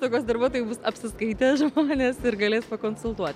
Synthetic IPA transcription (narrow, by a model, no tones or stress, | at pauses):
t̪oːkʲoːsd̪ɐɾbuɔt̪oːjɛbʊsɐpʲsʲɪskɐɪt̪ʲɛʒmoːnʲeːsɪɾɡɐlʲeːspɐkoːnsʊlˠt̪uɔt̪ʲ